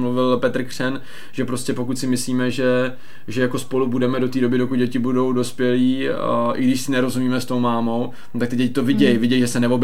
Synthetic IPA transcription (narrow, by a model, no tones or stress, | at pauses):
mluvɪlpɛt̪r̩kr̝̥ɛn | ʒ̥ɛpɾo̞scɛpo̞kut̪sɪmɪsliːmɛʒɛ | ʒɛjakospo̞lubudɛmɛdo̞t̪iːdo̞bɪdokud̪̚ɟɛcɪbudo̞wdo̞spjɛliːʔɪɡdɪʃsɪnɛɾo̞zumiːmɛst̪o̞wmaːmo̞w | t̪akt̪ɪɟɛcɪt̪o̞vɪɟɛjvɪɟɛjʒɛsɛnɛvo̞b